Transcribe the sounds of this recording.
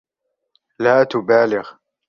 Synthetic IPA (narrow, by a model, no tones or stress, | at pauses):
laːt̪ʊbaːlɪɣ